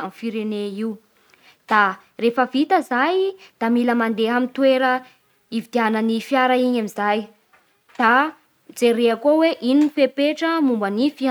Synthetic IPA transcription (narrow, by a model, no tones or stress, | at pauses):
amfiɾeneiu | d̪̥a | refəvit̪əzajd̪̥amiləmand̪eɦamint̪weɾə | ivid̪ianənifjaɾaiɲamizaj | d̪̥a | d͡zeɾeakoweʔininifepeʈ͡ʂəmumbənifia